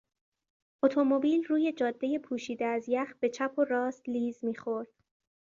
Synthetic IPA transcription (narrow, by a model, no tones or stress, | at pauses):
ʔot̪ʰo̞mo̞biːlruːje̞d͡ʒɒːd̪ːe̞je̞pʰuːʃiːd̪eæzjæxbe̞t͡ʃʰæpʰo̞ɾɒːst̪liːzmiːxo̞ɾd̪̥